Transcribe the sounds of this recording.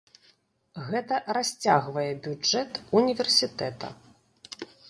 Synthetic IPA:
ɣɛt̪ɐrasʲt͡sʲa̰ɣvɐjɛbʲud͡ʐɛt̪unʲivʲɛrsʲit̪ɛt̪ɐ̰

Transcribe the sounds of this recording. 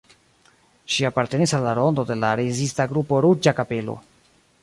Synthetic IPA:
ʃiapaɾte̞nisalːaɾo̞ndo̞de̞laɾezistaɡɾupo̞ɾud͡ʒakape̞lo̰

